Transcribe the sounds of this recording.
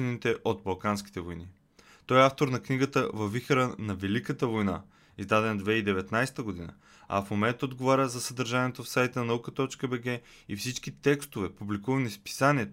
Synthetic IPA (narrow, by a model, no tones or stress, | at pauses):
ɛnit̪ɛʔod̪̚bɐlˠkanskʲi̥t̪ɛvojni | t̪ɔjɛaft̪oɾnɐkniɡət̪əvɐvixɾənɐvɛlikət̪əvojna̰ | izd̪ad̪ɛnd̪vɛid̪ɛvɛt̪najsɛ̥t̪əɡod̪inə̰ | ɐ̰fmomɛnt̪od̪ɡovaɾʲəzɐsəd̪əɾʒaniɛt̪ofsajt̪ənnɐukət̪ɔt͡ʃkəbɛɡɛ | ifsit͡ʃkit̪ɛkst̪ovɛpublikuvɐnispi̥saniɛt̪o